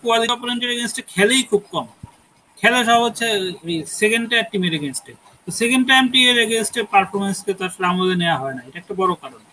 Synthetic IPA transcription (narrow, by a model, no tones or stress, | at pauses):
koaliɔpoɾenʈeɾeɡensʈeɾkʰɛlejkʰub̚kɔm | kʰɛleʃ̬ɔaɦotːɕʰesekeɳɖʈamʈimeɾeɡensʈe | t̪osekenɖʈamʈimeɾeɡensʈeɾpaɾfʰoɾmensket̪aɾamoleneaɦɔenaeʈaɛk̚ʈabɔɾokaɾon